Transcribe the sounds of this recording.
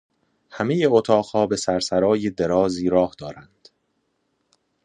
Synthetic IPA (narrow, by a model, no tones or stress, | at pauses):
hæme̞jeot̪ʰɒːɢhɒːbe̞sæɾsæɾɒːjed̪e̞ɾɒːziːɾɒːhd̪̥ɒːɾænd̪̥